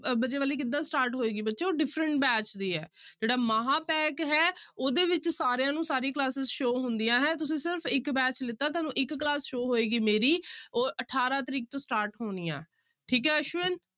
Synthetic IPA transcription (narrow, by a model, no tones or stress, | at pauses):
bət͡ʃeːʋaːliːkɪd̪ːãːsʈaːɾʈɦoːeːɡiːbətːʃeːoːɖɪpʰɾəɳʈ̚bɛːt͡ʃd̪iːɦɛːd͡ʒeːɽaːmaːɦaːpɛːkɦɛːoːd̪eːʋɪt͡ʃsaːɾejãːnũːsaːɾiːklaːsɪzʃoːɦʊnd̪ijãːɦɛ̃ːt̪ʊsĩːsɪɾpʰɪkbɛːt͡ʃlɪt̪ːaːt̪aːnũːʔɪkːlaːsʃoːɦoːeːɡiːmeːɾiːoːʔəʈʰaːɾãːt̪əɾiːk̚t̪õːsʈaːɾʈɦoːniːã̰ː | ʈʰiːkɦɛːəʃʋɪn